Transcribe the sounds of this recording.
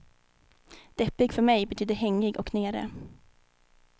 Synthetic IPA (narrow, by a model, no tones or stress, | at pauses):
d̪̥ɛpːɪɡfœɾmɛjbɛt̪ʰyːd̪əɦɛŋːɪɡɔkneːɾə̰